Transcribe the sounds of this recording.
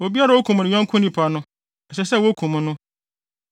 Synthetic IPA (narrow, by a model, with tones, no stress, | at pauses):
o˨bi˦a˦ɾa˨o˦kʰũ˨m˨nɪ̃˨ɲɔ̃˦ŋkʰʊ̃˦nĩ˦pʰa˨nʊ̃˦ | ɛ˨ɕɛ˨sɛ˦˨wo˦kʰũ˨mʊ̃˨nʊ̃˦